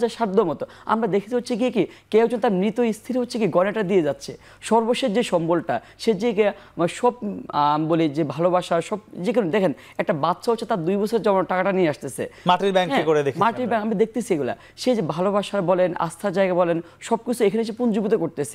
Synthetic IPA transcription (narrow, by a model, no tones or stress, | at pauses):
d͡ʑaʃaɾd̪omɔt̪o | a̰mɾad̪ekʰe̥t̪eɦotːɕʰik̬ikikewd͡ʑont̪aɾmɾit̪oist̪ʰiɾiɦotːʰekiɡɔneʈad̪ied͡ʑatːɕʰe | ʃɔɾboʃːed͡ʑeʃɔmbolʈa | ʃed͡ʑike | ʃɔb̚bolid͡ʑebʱalobaʃaʃɔb̚d͡ʑekinond̪ɛkʰen | ɛk̚ʈabat̪ːʃʰaɦotːʰet̪aɾd̪ujbɔt͡ɕʰoɾeɾd͡ʑɔmonʈakaʈanieaʃt̪esʰḛmaʈɾiɾbɛŋkɦɛ̃ikoɾed̪ekʰmaʈɾiɾbɛ̃kamɾad̪ek̚ʰt̪esʰieɡula̰ | ʃed͡ʑebʱalobaʃaɾbɔlena̰st̪ʰaɾd͡ʑaeɡaebɔlen | ʃɔb̚kit͡ɕʰuekʰaneʃ̬epund͡ʑubit̪okoɾt̪esʰe̥